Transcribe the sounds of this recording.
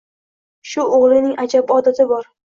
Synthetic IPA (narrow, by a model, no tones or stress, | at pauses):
ʃʊʔoʁlˠɪnɪŋad͡ʒabɪɒd̪at̪ʰɪbɒɾ